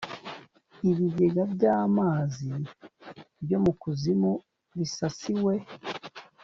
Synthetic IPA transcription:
iβiɡe̞ɡabɟaːmaːzi | bjo̞mukuzimu | βisasiwe̞

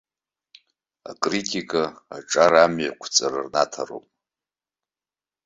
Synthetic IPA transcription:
a̰kʼritʼikʼaa̰ʈ͡ʂʼaɾamjakʷʰt͡sʼarɨrnatʰaro̰pʼ

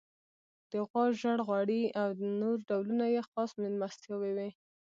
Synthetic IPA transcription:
d̪̥əɣwɑʒaɽɣwaɽiawd̪ənoɾɖawlunajexɑsmɪnmast̪jawewi

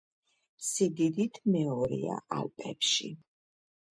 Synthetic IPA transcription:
sid̪id̪it̪ʰmɛɔɾḭa̰ʔalpʼɛpʃḭ

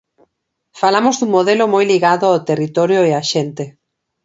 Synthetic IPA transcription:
falamozðuŋmoðelʊmojliɣaðʊawt̪erit̪ɔɾjoeaʃent̪e

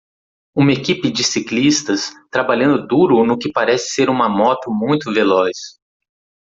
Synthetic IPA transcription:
ũmɐekipɪd͡ʒɪsiklist̪ɐst̪ɾabaʎɐ̃nd̪ʊd̪uɾʊnʊkɪpaɾɛsɪ̥seɾũmɐmɔt̪ʊmũj̃t̪ʊvelɔs

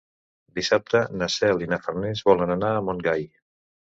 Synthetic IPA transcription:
d̪isap̚t̪ənasɛlinafərnezβɔlənanaːmoŋɡaj

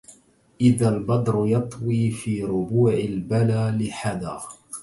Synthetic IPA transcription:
ʔɪðalbɑd̪ˤɾʊjɑt̪ˤwiːfiːɾʊbuːʕɪlbalaːlɪħad̪aː

